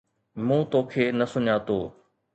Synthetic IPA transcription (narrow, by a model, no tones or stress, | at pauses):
mũːt̪oːkʰeːnɐsʊɲaːt̪o̰ː